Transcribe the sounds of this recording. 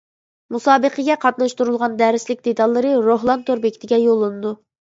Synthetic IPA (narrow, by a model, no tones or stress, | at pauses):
musɑːbəqʰəɡʲɛqʰɑt̪nɑʃt̪uɾulˠʁɑnd̪æɾɪslɪkʲd̪et̪ɑlˠːɨɾɨɾoɦlˠɑnt̪ʰøɾbekʲʰt̪ʰɪɡʲɛjolˠːɨnɨd̪u